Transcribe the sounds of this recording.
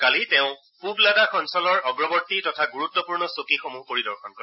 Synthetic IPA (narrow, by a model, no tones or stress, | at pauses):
kaliteʊ̃ | publadakʰɔnsɔlɔɹɔɡɹɔbɔɹtitɔtʰaɡuɹut̪ːɔpuɹnɔsokixomupoɹidɔɹxʰɔnkɔ